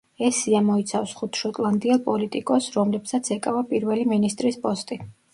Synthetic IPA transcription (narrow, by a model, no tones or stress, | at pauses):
ɛsiamɔit̪sʰafsχut̪ʰʃɔt̪ʼlˠand̪iɛlˠpʼɔlit̪ʼikʼɔsɾɔmlɛpsat̪sʰɛkʼavapʼiɾvɛliminist̪ʼɾispʼɔst̪ʼi